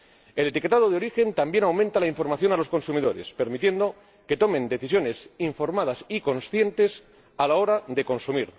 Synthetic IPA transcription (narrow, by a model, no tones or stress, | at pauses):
e̞let̪ike̞t̪að̞o̞ðeo̞ɾixe̞nt̪ambje̞nawmẽnt̪alaiɱfo̞ɾmaθjo̞nalo̞sko̞nsumiðo̞ɾe̞̰spe̞ɾmit̪je̞nd̪o̞ | ke̞t̪o̞mẽ̞nd̪e̞θisjo̞ne̞siɱfo̞ɾmað̞asiko̞nsθje̞nt̪e̞s | alao̞ɾaðe̞ko̞nsumiɾ